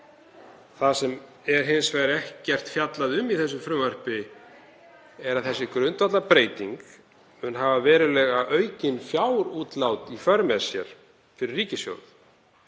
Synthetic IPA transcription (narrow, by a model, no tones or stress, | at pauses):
θasɛm | ɛɾ̥ɦɪnsvajɾɛhccːɛr̥t̪fjat̪laðʏmːiθɛsːʏmfɾʏːvar̥pɪ | ɛɾaðθɛsːɪkɾʏnt̪vat̪lapɾeːjt̪iŋk | mʏnɦavavɛːɾɪlɛːɣaʔœɥcɪnfjaːwɾuːt̪lawt̪ifœɾmɛsjɛ̰ɾ̥ | fɪɾɪrːiːcɪsjo̰wθ